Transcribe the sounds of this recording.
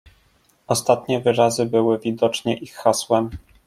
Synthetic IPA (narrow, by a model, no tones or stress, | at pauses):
ɔst̪at̪ɲɛvɘɾazɘbɘwɘvʲid̪ɔt͡ʂɲɛʔixːaswɛm